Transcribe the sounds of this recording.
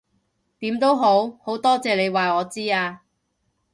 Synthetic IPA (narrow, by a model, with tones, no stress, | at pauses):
t̪iː˨˥mt̪o˥wɦo˨˥who˨˥wt̪ɔː˥t͡sɛː˨le˨˧jwaː˨jɔː˨˧t͡siː˥aː˧